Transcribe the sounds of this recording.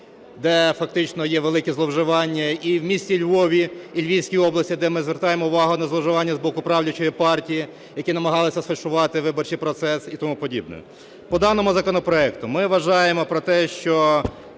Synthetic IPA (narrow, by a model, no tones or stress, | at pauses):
d̪ɛfɐk̚t̪ɪt͡ʃnɔjɛʋelˠɪkɛzlˠɔwʒɪʋɑnʲːɐiwmʲisʲtʲilʲʋɔʋʲiilʲʋʲiwsʲkʲijɔblˠɐsʲtʲid̪ɛmɪzʋert̪ɑjemɔʊʋɑɦʊnɐzlˠɔwʒɪʋɑnʲːɐzbɔkʊpɾɑwlʲɐt͡ʃɔjipɑrtʲiji | jɐkinɐmɐɦɑlˠɪsʲɐsfɐʃʊʋɑt̪ɪʋɪbɔrt͡ʃijpɾɔt̪sɛsit̪ɔmupɔdʲḭbnɔ̰ | pɔd̪ɑnɔmʊzɐkɔnɔpɾɔɛkt̪ʊmɪʋɐʒɑjemɔpɾɔt̪ɛʃt͡ʃɔ